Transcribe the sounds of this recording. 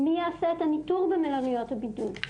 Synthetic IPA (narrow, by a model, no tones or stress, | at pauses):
miasɛt̪anit̪uʁbəmɛlaʁijɔt̪abid̪ul